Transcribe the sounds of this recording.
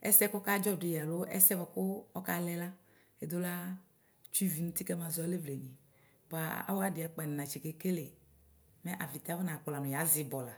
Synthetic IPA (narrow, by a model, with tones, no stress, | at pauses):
ɛ̰˦sɛ˦kɔ˦ka˦d͡ʒɔ˦˨dʊ˨ja˨lo˦ʔɛ̰˦sɛ˦bɔ˨kʊ˦ɔ˦ka˦lɛ˦la˦ | e˨˦d̪ʊ˦la˦ | t͡ʃu˦i˦vi˨nũ˦t̪i˦kɛ˦ma˨zɔ˨˦a˦le˦vle˨ɲi˨ | bɔ˨a˨a̰˦wa˦dɪ˨a˨k͡pɛ˨n˨nã˨t͡ʃi˨ke˨ke˦le˨ | mɛ˦ʔa˨vi˨t̪a˦vɔ˦na˨k͡pʊ˨la˨nʊ̃˨ja˨˦zɪ˨bɔ˨la˨